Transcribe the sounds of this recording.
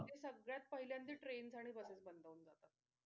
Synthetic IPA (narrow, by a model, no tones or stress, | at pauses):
t̪esəɡɭjat̪̚pəɦiljãnd̪iːʈɾend͡zaɽ̃ibəset͡sbənd̪ʱəuːnd͡zat̪at̪